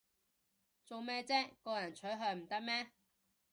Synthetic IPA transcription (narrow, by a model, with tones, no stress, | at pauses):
t͡so˨wmɛː˥t͡sɛː˥kɔː˧jɐ˨˩nt͡ʃʰɵ˨˥ɦœː˨˧m̩˨˩t̪ɐ˥k̚mɛː˥